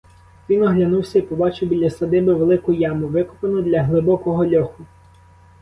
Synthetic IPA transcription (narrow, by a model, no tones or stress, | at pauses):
ʋʲinɔɦlʲɐnuwsʲɐipɔbɑt͡ʃɪwbʲilʲːɐsɐd̪ɪbɪʋelˠɪkʊjɑmʊʋɪkʊ̥penʊd̪lʲɐɦlˠɪbɔkɔɦɔlʲɔxʊ